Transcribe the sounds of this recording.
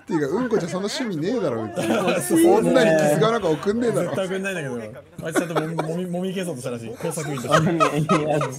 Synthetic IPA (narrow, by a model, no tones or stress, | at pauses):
t̪ːejɯ̟kaɯ̟̃ŋɡot͡ɕaso̞nːoɕimʲineːd̪aɾo̰ːet͡skõnːaɲikʲisɨɡanakaokɯ̟̃nːeːd̪aotːaokɯ̟nːaĩnd̪aked̪o | aɾiãnt̪̬oomʲimomʲik̬eːs̬ot̪oɕt̪aɾaɕ̬iːkoːsakɯĩe